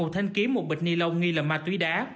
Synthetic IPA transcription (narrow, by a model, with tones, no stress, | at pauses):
o˨˩t̚t̪ʰa˧jŋ̟ki˨˦mo˨˩t̚ɓə̟˨˩ni˧lə˧wŋi˧ləː˨˩maː˧˩t̪wi˨˦ɗaː˨˦